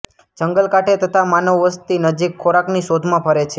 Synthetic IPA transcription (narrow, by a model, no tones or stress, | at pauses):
d͡ʒəŋɡəlkaʈʰet̪ət̪ʰamanəʋːəst̪inəd͡ʒikʰːoɾakniʃod̪ʱmãpʰəɾet͡ʃʰe